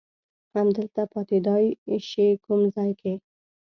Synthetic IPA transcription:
hamd̪əlt̪apɑt̪ed̪ɑjɪʃekumzɑjkʰe

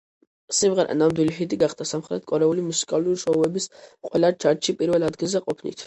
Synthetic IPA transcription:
simʁɛɾɛ̰namd̪wiliɦid̪iɡaχd̪̥asamχɾɛt̪̚kʼɔɾɛulimusi̥kʼalˠuɾiʃɔuɛbisqʼwɛlat͡ʃʰaɾʃipʼiɾvɛlˠad̪ɡilˠzɛqʼɔpʰnḭt̪ʰ

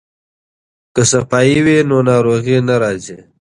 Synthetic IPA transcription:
kəsəpɑːiwenonɑːɾoːɣinaɾɑːzi

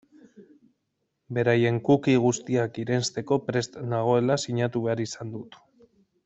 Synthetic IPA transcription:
be̞ɾaje̞ŋkukiɣ̞ust̪iakiɾe̞nst̪e̞ko̞pɾe̞st̪naɣ̞o̞e̞lasiɲat̪uβe̞aɾisand̪ut̪

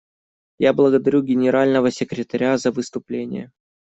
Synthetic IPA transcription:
jablˠəɡəd̪ɐɾʲuɡʲɪnʲɪɾalʲnəvəsʲɪkɾʲɪt̪ɐɾʲazəvɨst̪ʊplʲenʲɪ̰jə

